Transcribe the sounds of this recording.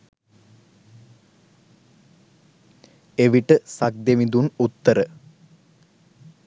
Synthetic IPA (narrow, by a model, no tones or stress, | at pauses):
eʋiʈəsak̚d̪emid̪unut̪ːəɾə